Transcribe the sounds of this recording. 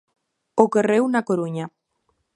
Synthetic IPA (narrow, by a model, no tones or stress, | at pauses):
okerewnakoɾuɲa